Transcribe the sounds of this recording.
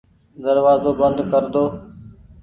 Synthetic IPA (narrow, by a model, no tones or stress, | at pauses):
d̪əɾʋaːzoːbənd̪kəɾd̪oː